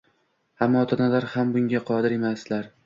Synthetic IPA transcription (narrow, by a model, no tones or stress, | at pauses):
amːɒːt̪ʰanazaɾhambʊŋɡʲaqʰɒd̪ɪɾe̞maslaɾ